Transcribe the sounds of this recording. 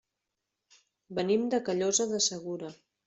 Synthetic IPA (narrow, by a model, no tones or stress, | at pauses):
bənimd̪əkəʎozəðəsəɣ̞uɾə